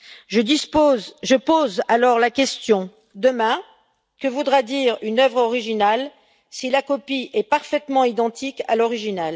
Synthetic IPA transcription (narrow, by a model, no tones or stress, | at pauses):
ʒəd̪isoʒəpozalɔʁlakʲɛst̪jɔ̃ | d̪əmɛ̃ | kəvud̪ʁad̪iʁynœvʁɔʁiʒinal | silakɔpiʔɛpaʁfɛt̪mɑ̃id̪ɑ̃t̪ʰika̰lɔʁiʒinal